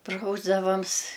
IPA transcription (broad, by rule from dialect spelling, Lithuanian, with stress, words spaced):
ˈprɐʊzdɐʋɐms